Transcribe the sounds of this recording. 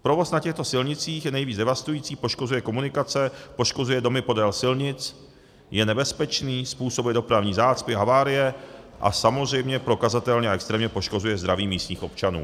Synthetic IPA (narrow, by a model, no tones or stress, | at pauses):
pɾo̞vo̞snacɛxt̪o̞sɪlɲɪt͡siːxjɛnɛjviːd͡zdɛvast̪ujiːt͡siːpo̞ʃkozujɛko̞munɪkat͡sɛpo̞ʃko̞zujɛdo̞mɪpo̞dɛlsɪlɲɪt͡s | jɛnɛbɛspɛt͡ʃniːspuːsobujɛdopɾavɲiːzaːt͡spɪɦavaːɾɪjɛ | ʔa̰samo̞zr̝ɛjmɲɛpɾo̞kazat̪ɛlɲɛaʔɛkst̪ɾɛːmɲɛpo̞ʃko̞zujɛzd̪ɾaviːmiːst̪ɲiːxo̞pt͡ʃanṵː